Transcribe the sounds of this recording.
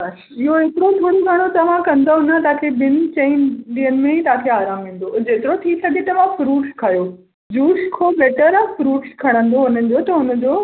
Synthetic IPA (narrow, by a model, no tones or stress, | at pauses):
ɐʃ | ɪɦoɦeːkɪɾot̪ʰoːɽoɡʱɐɽ̃ot̪ɐʋ̤ãkɐ̃nd̪oɦʊnt̪ɐaːkʰebɪn̆t͡ɕeːnɗiːənɪ̆mẽit̪ɐãkʰeaːɾaːmʋẽːn̆d̪od͡ʑeːt̪ɪɾot̪ʰisɐɡʱet̪ɐʋãfɾuːʈskʰajoː | d͡ʑuːskʰobeːʈəɾãfɾuːʈskʰɐɽ̃ə̃nd̪oʊnənɪ̆d͡ʑoːt̪ɐʊnə̆d͡ʑoː